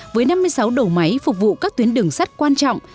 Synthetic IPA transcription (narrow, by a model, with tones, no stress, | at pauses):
vəː˨˦jna˧mːɨ˧əjsa˨˦wɗə˨˩wma˨˦jfʊ˨˩k͡p̚vṵ˧˨kaː˦˥k̚t̪wi˨˦ənɗɨ˨˩əŋsa˦˥k̚kwaː˧nt͡ɕɔ̰˧˨wŋ͡m